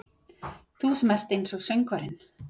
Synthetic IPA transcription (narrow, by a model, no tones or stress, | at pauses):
θusɛmɛr̥t̪ejnsɔɣseɥjŋkvaɾɪn